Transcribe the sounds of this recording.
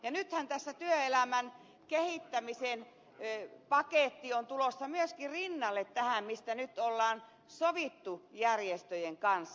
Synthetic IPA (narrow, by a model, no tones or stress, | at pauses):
jɑnyt̪hænt̪æsːæt̪yøelæmæn | kehit̪ːæmisen | pɑkeˑt̪ːiont̪ulosːɑmyøskirinːɑlːet̪tæhæmmist̪ænyt̪ːolːɑːn | soʋit̪ːujærjest̪øjeŋkɑnsː